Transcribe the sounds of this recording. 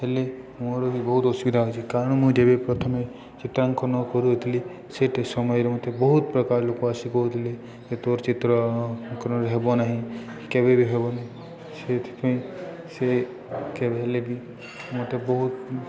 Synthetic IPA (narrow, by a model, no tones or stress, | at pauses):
ɦele | moɾobibɔɦut̪ɔsbid̪ʱaɦojt͡ʃʰekaɾəɳmũd͡ʒebepɾɔt̪ʰəme | t͡ʃɪt̪ɾaŋkɔnɔkɔɾuɦot̪ʰili | seʈʰesɔmɔjɾemɔt̪ʰebɔɦut̪̚pɾəkaɾlokoasikoɦot̪ʰili | d͡ʒet̪oɾt͡ʃit̪ɾaŋkɔɾɔɾɦebonaɦĩ | kebebʱiɦebonaɦĩ | set̪ʰi̥pəĩ | se | kebeɦelebʱi | mot̪ʰebɔɦut̪